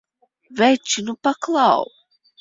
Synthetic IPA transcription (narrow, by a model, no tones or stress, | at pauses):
vɛt͡ʃːinupaklˠaw